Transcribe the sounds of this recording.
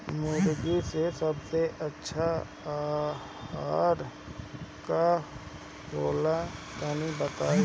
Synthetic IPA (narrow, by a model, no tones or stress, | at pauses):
mʊɾɡisesəbseʔətːʃʰa | aɾ | ka | boːlat̪anibət̪aːi